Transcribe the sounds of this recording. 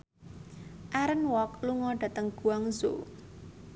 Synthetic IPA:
ʔaɾənwɔkluŋɔɖ̥a̤t̪əŋɡ̥ṳaŋzo̰

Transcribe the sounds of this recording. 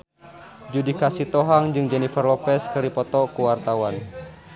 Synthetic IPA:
d͡ʒudikasit̪ɔɦaŋd͡ʒɨŋd͡ʒɛnifərlɔpɛskɨɾipɔt̪ɔkuwart̪awan

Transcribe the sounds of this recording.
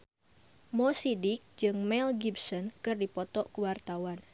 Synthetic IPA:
mɔsidik̚d͡ʒɨŋmɛlɡibsɔnkɨrdipɔt̪ɔʔkuwart̪awan

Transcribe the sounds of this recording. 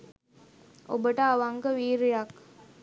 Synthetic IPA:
o̰bəʈəaʋaŋɡəʋiːɾejak

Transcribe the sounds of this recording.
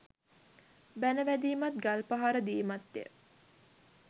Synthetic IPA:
bænəʋæd̪iːmat̪̚ɡalpaɦaɾəd̪iːmat̪ːḛ

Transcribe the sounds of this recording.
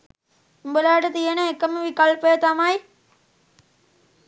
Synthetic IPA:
imbəlaːʈət̪ijenəekəməʋikɐlpəjət̪amɐj

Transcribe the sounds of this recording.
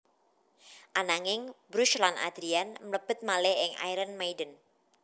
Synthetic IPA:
ʔanaŋɪŋbɾuʃlana̰d̪̥ɾianmələb̥ət̪̚malɛɪŋa̰jɾənmajdən

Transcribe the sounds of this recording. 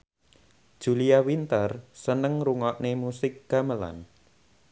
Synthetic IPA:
d̥ʒ̥ulijawint̪ərsənəŋɾuŋɔʔnemusɪk̚ɡ̥a̤məla̰n

